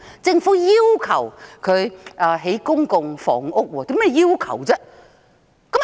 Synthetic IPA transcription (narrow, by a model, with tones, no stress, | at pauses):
t͡sɪ˧ŋfu˨˥jiː˥wkʰɐ˨˩wkʰɵ˨˧ɥʔɐː˨˧ɦe˨˥jkʊ˥ŋkʊ˧ŋfɔ̰ː˨˩ŋʊ˥k̚wɔː˧˩t̪i˨˧˥mɛː˥jiː˥wkʰɐ̰˨˩wt͡sɛ˥ | kɐ˨˥m